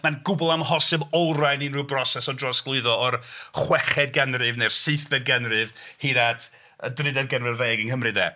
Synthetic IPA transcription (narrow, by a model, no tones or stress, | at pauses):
manɡʊbʊlˠamhɔsɨbɔrajninrubrɔsɛsɔdrɔsɡ̥lˠʊɨðɔɔrχwɛχɛd̚ɡɛnrɨvnerseθbɛd̚ɡɛnrɨvhiɾatʰ | ədrɪdɛdɡɛnvɛrvejɡənkəmrɨdɛ̰ː